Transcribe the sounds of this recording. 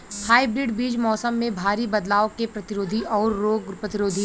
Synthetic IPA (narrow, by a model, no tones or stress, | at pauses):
haːibɾɪːɖbiːd͡ʒmɔːsəmːẽbʱaːɾibɐd̪laːokepɾɐt̪ɪɾoːd̪ʱiʔɔːɾːoːɡpɾɐt̪ɪɾoːd̪ʱi